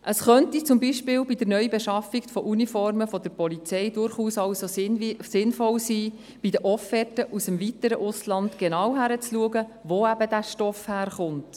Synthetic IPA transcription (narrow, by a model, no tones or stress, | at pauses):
ʔəsχœntit͡sʊmbiʃpɪːlbid̪əɾnœʏbeʃɑfiɡfɔʔunifɔɾməfɔd̪əɾpɔlit͡sɛjdʊɾχuːsɑwsosɪnfɔlsiː | b̥id̪əʔɔfɛtəʔusəmvitəɾəʔʊslɑnt̪ɡ̥enɑwɦæɾət͡sluəɡəʋoːæbədæʃtɔfhæːɾχʊnt